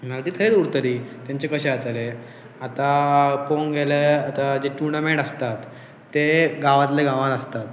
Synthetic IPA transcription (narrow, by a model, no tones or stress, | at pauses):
malat̪iːt̪ʰəɾet̪uɾt̪əɾiːt̪jaɲt͡ɕekəɕeat̪ale | at̪akoŋɡʱeleat̪ad͡ʑeʈuɾɳamẽɳʈəst̪at̪ː | eɡaʋãt̪̬leɡaʋãnəst̪at̪